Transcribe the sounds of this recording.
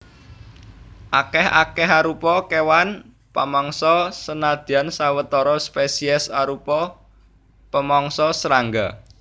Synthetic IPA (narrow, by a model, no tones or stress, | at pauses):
ʔakɛha̰kɛɦaɾupɔkewan | pamɔŋsɔsənad̪̥i̤ansawət̪ɔɾɔspesiɛsaɾupɔ | pəmɔŋsɔsəɾaŋɡa